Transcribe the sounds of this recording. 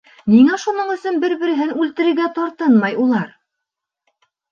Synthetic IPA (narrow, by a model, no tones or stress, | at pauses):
niŋæʃunɤɴɵ̆sɵnbɘɾbɘ̆ɾɘ̆ɦɘnʉlt̪ɘ̆ɾɘ̆ɾɡæt̪oɾt̪ɤnmɑjulˠɑɾ